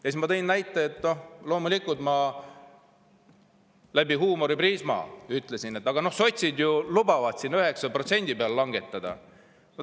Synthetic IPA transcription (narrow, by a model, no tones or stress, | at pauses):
jɑsimɑt̪ɤ̞innæjt̪ːˑeet̪ːˑno̞hlo̞ːmulikult̪mɑ | læbiɦuːmo̞ɾipriːsmɑ̰ːyt̪ˑle̞sine̞t̪ːˑɑɡ̥ɑno̞hso̞t̪ʲsid̪julubɑvɑt̪sinyɦe̞ksɑpro̞t̪se̞nʲd̪̥ipeɑllɑŋɡe̞t̪ːˑɑd̪̥ɑ̰ | no